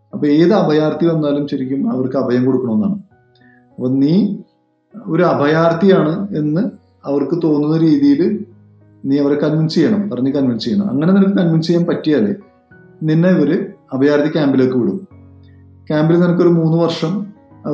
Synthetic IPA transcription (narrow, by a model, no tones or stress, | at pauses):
ɐpːoeːðɨɐbʱɐjaːrt̪ʰiʋɐnːaːlumɕɐɾikʲːumɐ̰ʋɐrkɨɐbʱɐjɐmko̞ɽukːɐɳɐmenːa̰ːɳɨ | ɐpːɐniː | o̞ɾuɐbʱɐjaːrt̪ʰijaːɳɨe̞nːɨ | ɐʋɐrkɨt̪o̞ːnːunːɐɾiːðijil | niːɐʋɐɾekɐnminst͡ɕejɐɳɐmpɐrɐɲːɨkɐnʋinst͡ɕejɐɳɐ̰mɐ̰ŋːɐne̞nɐmɐkːɨkɐnminst͡ɕejaːmpɐtːijaːle | ninːeʋɐɾɨɐbʱɐjaːrt̪ikʲaːmbiloːkːɨʋiɽunːu | kʲaːmbilɐnɐmɐkːo̞ɾumuːnːɨʋɐrʂɐm